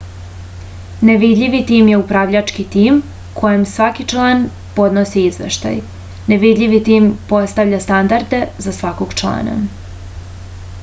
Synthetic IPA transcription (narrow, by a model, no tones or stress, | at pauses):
neʋid̪ʎʲiʋit̪iːmje̞upɾaːʋʎat͡ʃkit̪iːm | kʰo̞jemsʋakit͡ʃlˠaːn | po̞d̪nosiizʋḛʃt̪a̰j | ne̞ʋid̪ʎʲiʋit̪iːmpo̞st̪aʋʎast̪and̪aɾd̪e̞zasʋakoɡ̥t͡ʃlˠa̰ːna̰